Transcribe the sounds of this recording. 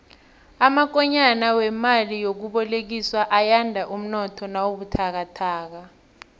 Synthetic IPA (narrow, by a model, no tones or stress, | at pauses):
amak̬ɔɲanawɛmalijok̬uɓɔlek̬iswaʔajandʱaʔum̩nɔtʰɔnawoɓutʰak̬atʰaːk̬a